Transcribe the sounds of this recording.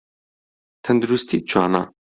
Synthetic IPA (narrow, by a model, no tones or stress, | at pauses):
t̪ʰɐnd̪uɾust̪ʰit͡ʃʰaːna̰ː